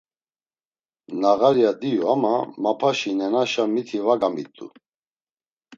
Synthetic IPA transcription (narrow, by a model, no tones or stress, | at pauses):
naɣaɾjad̪ijuamamapʰaʃinɛnaʃamit̪ʰivaɡamit̪ʼːṵ